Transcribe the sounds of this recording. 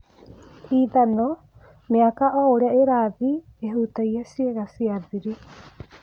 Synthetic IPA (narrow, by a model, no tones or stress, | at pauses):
iːðano | meakaʔooɾaeɾaːði | eɦut̪ajasieɡasiaðiɾi